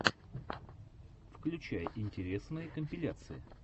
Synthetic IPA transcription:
fklʲʉt͡ɕæjəʔɪnʲtʲɪɾʲe̞snɨjəkəmʲpʲɪlʲat̪sɨjɪ̰

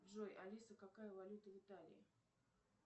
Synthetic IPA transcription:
ʐojʔɐlʲisəkakajəvɐlʲut̪əvʲɪt̪alʲɪ̰ɪ

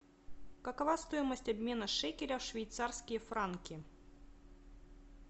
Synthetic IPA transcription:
kɐkɐvast̪ojɪməsʲtʲɐbʲmʲe̞nəʂɛkʲɪɾʲɐʂvʲɪjt̪sarskʲɪjəfɾankʲɪ

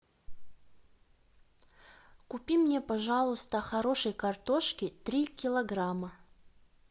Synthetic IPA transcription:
kʊpʲimnʲepɐʐalˠʊst̪əxɐɾo̞ʂəjkɐrt̪oʂkʲɪt̪ɾʲikʲɪlˠɐɡɾamə

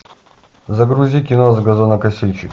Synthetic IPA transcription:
zɐɡɾuzʲikʲɪnozɡɐzonɐkɐsʲilʲt͡ʃɪ

